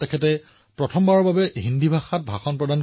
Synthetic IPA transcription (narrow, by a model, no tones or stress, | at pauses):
tɛkʰɛtɛ | pɹɔtʰɔmbaɹɔɹbabɛɦindibʱaxat̚bʱaxɔnpɹɔdan